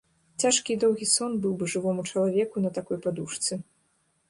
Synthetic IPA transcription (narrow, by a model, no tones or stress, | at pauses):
t͡sʲaʂkʲid̪ɔwɣʲisɔnbɨwbɨʐɨvɔmut͡ʂɐlˠavʲɛkunɐt̪akɔjpad̪uʂt̪sɨ